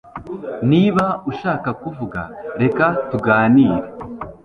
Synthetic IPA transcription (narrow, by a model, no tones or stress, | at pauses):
niβauʃaːkakuvuɡa̰ɾe̞katuɡaːniːɾe